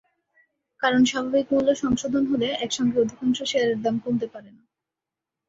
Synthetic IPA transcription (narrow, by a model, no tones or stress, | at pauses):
kaɾonʃabʱabikmulːoʃɔŋʃod̪ʱonɦoleɛkʃɔŋɡeod̪ʱikanʃoʃeaɾeɾd̪amkult̪epaɾena